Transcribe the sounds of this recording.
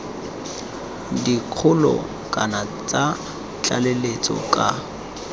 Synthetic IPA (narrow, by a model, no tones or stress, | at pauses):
diq͡χʰʊlɔ̰ | kʼanat͡sʼa | t͡ɬʼalelet͡sʼɔ̰kʼa